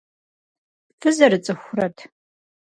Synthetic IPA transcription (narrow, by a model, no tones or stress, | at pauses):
fɨzɐɾɨt͡sʼɨxʷʊrɐtʰ